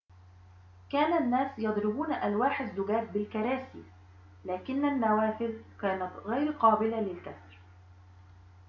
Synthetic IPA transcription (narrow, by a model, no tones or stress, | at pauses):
kaːnanːaːsjɑd̪ˤɾɪbuːnʔalwaːħazːʊɡaːt̪̚bɪlkɑɾˤaːsḭː | laːkɪnːanːawaːfɪlkaːnat̪ɣajɾqɑːbɪlalɪlkasɾ